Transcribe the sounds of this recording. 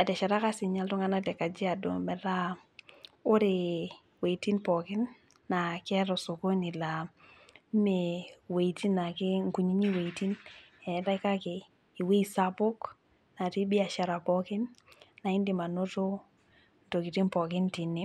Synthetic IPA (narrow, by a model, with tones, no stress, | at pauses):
a˨tɛ˨ʃa˨ɾa˦ka˦si˨ɲa˦ltu˦ŋa˦na˦tɛ˨ka˨d͡ʒi˦a˨do̰˨mɛ˨ɾa˦ | o˦ɾe˨ | we˨i˨ti˦npɔ˨kɪ˦nː | a˨kɛ˦ɾɔ˨so˨ko˦ni˨la˨˦ | me˨we˨i˨ti˦nːa˨ki˦ŋku˨ɲi˦ɲi˦we˨i˨ti˦n | ɛ˨ta˦ka˦ke˨ | i˨we˦i˨sa˦po˦k | na˨ti˦bi˦a˨ʃa˨ɾa˨pɔ˦kɪ˦nːa˨i˦ndi˨ma˨no˦to˦ | n˨to˨ki˨ti˦npɔ˨kɪ˦nti˨ni˦